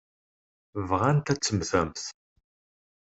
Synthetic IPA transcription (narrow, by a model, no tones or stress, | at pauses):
vʁænt̪æt͡sːəmθæmθ